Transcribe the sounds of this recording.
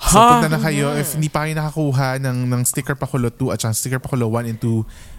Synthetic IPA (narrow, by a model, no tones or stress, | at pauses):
ɐpɛt̪ɐnɐkɐjo̞ʔɪfhɪnd̪iːpɐkɐjonɐkɐkuːɦɐnɐŋnɐŋst̪ɪkɛɹpɐkolot̪uʔɐt̪̚t͡ʃɐkast̪ɪkɛɹpɐkolowanɛnt̪u